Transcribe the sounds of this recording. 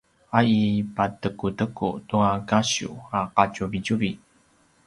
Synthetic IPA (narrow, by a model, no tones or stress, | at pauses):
aipatəkutəkṵtuakaɕṵaqacuvicuvi